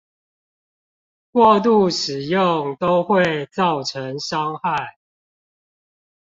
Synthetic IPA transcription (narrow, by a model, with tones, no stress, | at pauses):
kwɔ˥˧t̪̬u˥˨ʂɻ̩˨˩jo˥˨ŋt̪o˦˥ʊxwe˥˨ɪt͡sɑ˥˨ʊʈ͡ʂʰə˨˦ŋʂɑ˦ŋxa˥˨ɪ